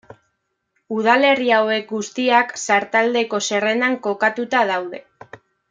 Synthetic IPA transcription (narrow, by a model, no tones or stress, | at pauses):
uð̞ale̞riawe̞k̚ɡust̪iaksaɾt̪ald̪e̞ko̞se̞re̞naŋko̞kat̪ut̪að̞awð̞e̞